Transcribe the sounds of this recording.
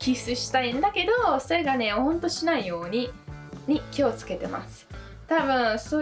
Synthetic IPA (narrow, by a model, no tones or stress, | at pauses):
kʲisɨɕi̥t̪aĩnd̪ake̞d̪o̞so̞ɾe̞ɡane̞ohõ̞nt̪o̞ɕinaijo̞ːɲ̟iɲ̟ikʲio̞t͡sɨ̥ke̞t̪e̞̰ma̰sɨ̥ | t̪abɯ̟̃ɰ̃soː